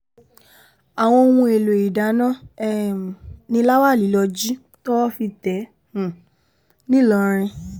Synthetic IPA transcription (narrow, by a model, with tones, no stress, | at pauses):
a˨w̃ɔ̃˧o˧wũ˧e˨lo˨i˨da˨˦nã˦ɛ˦˨ | nĩ˧˦la˦wa˦˨li˨˦lɔ˧d͡ʒi˦ | tɔ˦wɔ˦fi˧tɛ̃˨˦˨ | nĩ˦lɔ˧ɾ̃ĩ˧